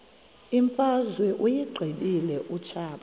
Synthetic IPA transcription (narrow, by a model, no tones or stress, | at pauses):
iɱfazwɛʔujiɡ͡ǃʱiɓilɛʔut͡ʃʰaːɓa